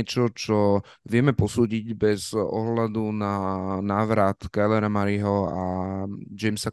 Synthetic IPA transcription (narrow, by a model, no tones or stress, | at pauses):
ɛt͡ʃɔt͡ʃɔ | ʋɪɛmɛpɔsuːɟiɟbɛzɔ̰ɦlad̪unanaːʋɾat̪kajlɛɾamaɾiɦɔa | d͡ʒɛmsa